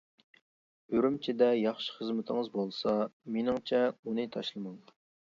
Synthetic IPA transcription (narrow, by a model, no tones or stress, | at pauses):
øɾymt͡ʃʰɪd̪ɛjɑχʃi̥χəzmɪt̪ʰɪŋɨzbolˠsɑmenɪŋt͡ʃʰɛunɨt̪ʰɑʃlˠɨmɑŋ